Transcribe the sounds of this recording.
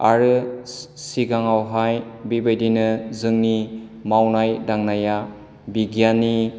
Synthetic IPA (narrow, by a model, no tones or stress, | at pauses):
a̰ɾɯ | siɡaŋawɦajbibajdinɯzɯŋnimawnajdaŋnaja | biɡjani